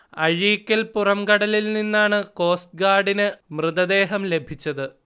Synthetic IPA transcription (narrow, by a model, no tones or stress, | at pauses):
ɐɻiːkʲːɐlpurɐmkɐɽɐlilninːaːɳɨko̞ːst̚ɡaːɽinɨmrɨðɐd̪e̞ːɦɐmle̞bʱit͡ɕːɐðɨ